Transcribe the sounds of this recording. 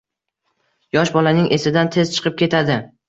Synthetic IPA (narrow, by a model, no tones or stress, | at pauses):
jɒʃbɒlanɪŋʔe̞sɪd̪ant̪ʰe̞zt͡ʃʰɨ̥qʰɨp̚kʲʰe̞t̪ʰad̪ɪ